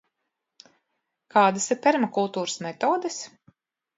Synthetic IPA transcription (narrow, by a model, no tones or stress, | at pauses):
kaːd̪asiɾpɛɾmakulˠt̪uːɾsmɛt̪oːd̪ɛs